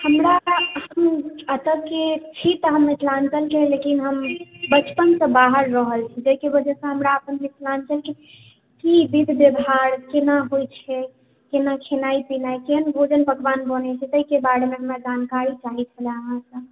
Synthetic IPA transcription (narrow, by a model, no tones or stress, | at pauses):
həmɾahəmət̪əkket͡ʃʰit̪əɦəmːit̪lant͡ʃəlkelekinɦəmbət͡ʃpənsə̃baɦəɾːəɦəlt͡ʃʰɛd͡ʒəikebəd͡ʒɛsə̃ɦəmɾaəpənmit̪lant͡ʃəlke | kibid̪ʱbebʱaɾkenaɦojt͡ʃʰɛ | kenakʰenaipinajkeɦənbʱod͡ʒənbəkbanbənɛt͡ʃʰɛt̪əikebaɽmeɦəmɾad͡ʒankaɾit͡ʃaɦit͡ʃʰəleəɦãsəb